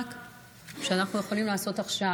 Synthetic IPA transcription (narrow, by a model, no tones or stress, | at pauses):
k | ʃeanaχnuje̞χolimlaːso̞t̪aχʃa